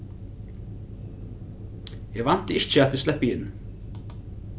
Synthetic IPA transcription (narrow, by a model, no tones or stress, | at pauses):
jɛɣvan̥t̪ɪɪt͡ʃːəat̪ɪslɛhpːɪjɪnnː